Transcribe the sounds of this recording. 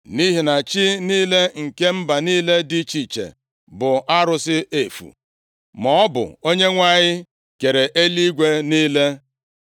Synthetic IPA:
ni˦ɦi˨na˨t͡ʃi˦niː˦le˦ŋ̩˨ke˦m̩˦ba˨niː˦le˦di˦t͡ʃi˨t͡ʃḛ˨ | bʊ˨ʔa˦ɾʊ˦sɪ˦ʔe˨fṵ˨ | mɔ˦ɔ˦bʊ̰˨o˦ɲe˦ŋʷa˦˨ɲɪ˦ | ke˨ɾe˨ʔe˦li˦ɡʷe˦niː˦le˦

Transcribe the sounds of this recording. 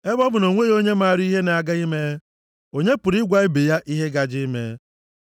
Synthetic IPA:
e˦bɔ˦bʊ˨no˨ŋʷe˦o˦ɲe˦ma˦a˨ɾi˦ɦe˦na˨a˨ɡa˦i˦me˦ | o˦ɲe˦pʊ˨ɾi˦ɡʷa˨ɪ˦be˨ja˦ʔi˦ɦe˦ɡa˦d͡ʒɪ˦me˦

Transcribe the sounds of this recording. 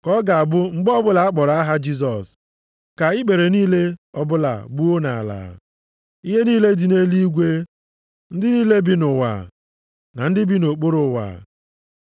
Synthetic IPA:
kɔ˦ɡa˨a˨bʊ˦ŋ͡m̩˦ɡ͡bɔ˦bʊ˦la˨a˦k͡pɔ˨ɾa˦a˦ɦa˦d͡ʒi˦s̬ɔ˨s | ka˨ɪ˦k͡pe˨ɾe˨niː˦le˦ɔ˦bʊ˦la̰˨bu˦o˦na˨la̰ː˨ | i˦ɦe˦niː˦le˦di˨ne˦li˦ɡʷe˦ | n̩˦dɪ˦niː˦le˦bi˦nʊ˨wa̰˨ | na˨n̩˦dɪ˦bi˦no˨k͡po˦ɾʊ˨wa̰˨

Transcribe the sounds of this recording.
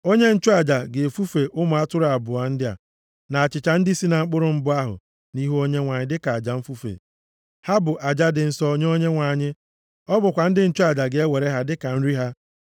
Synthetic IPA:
o˦ɲe˦n̩˦t͡ʃʊ˦a˨d͡ʒa˨ɡe˨e˨fu˦fe˨ʔʊ˦mʊ˨a˦tʊ˦ɾa˨bʊ˨a˨n̩˦dɪ˦a̰˨ | na˨a˨t͡ʃɪ˨t͡ʃa˨n̩˦di˦si˦na˨ŋ͡m̩˦k͡pʊ˦ɾʊ˨m̩˦bʊ˦a˦ɦʊ̰˨ | ni˦ɦu˦o˦ɲe˦ŋʷa˨ɲɪ˦dɪ˦ka˨a˨d͡ʒa˨ɱ̩˦fu˦fḛ˨ | ha˦bʊ˨ʔa˨d͡ʒa˦dɪ˨n̩˨sɔ˦ɲ˦o˦ɲe˦ŋʷa˨ɲɪ˦ | ɔ˦bʊ˨kʷa˨n̩˦dɪ˦n̩˦t͡ʃʊ˦a˨d͡ʒa˨ɡe˨e˦we˨ɾe˦ɦa˦dɪ˦ka˨n̩˦ɾi˦ɦa˦

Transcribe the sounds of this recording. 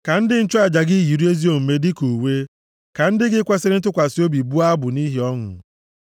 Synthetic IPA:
ka˨n̩˦dɪ˦n̩˦t͡ʃʊ˦a˦˨d͡ʒa˨ɡi˦ɦi˨ɾi˦e˦zi˦o˨m̩˨me˦dɪ˦ku˨we˦ | ka˨n̩˦dɪ˦ɡɪ˦kʷa˦se˦ɾɪ˦n̩˦tʊ˦kʷa˨sɪ˦o˦bi˨bu˦a˦bʊ˨ni˦ɦi˨ɔ˦ŋʊ̰˨

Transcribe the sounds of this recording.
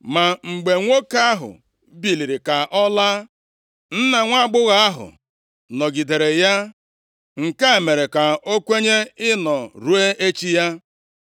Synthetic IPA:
ma˨ŋ͡m̩˨ɡ͡be˨ŋʷo˦ka˦a˦ɦʊ̰˨ | bi˨li˨ɾi˨ka˨ʔɔ˦la˦ | n̩˦na˨ŋʷa˦˨ɡ͡bʊ˦ɣa˦a˦ɦʊ̰˨ | nɔ˨ɡi˨de˨ɾe˨ja˦ | ŋ̩˨ka˦e˨me˨ɾe˨ka˨o˦kʷe˦ɲe˦ɪ˦nɔ˨ɾu˦e˦ʔe˦t͡ʃi˦ja˦

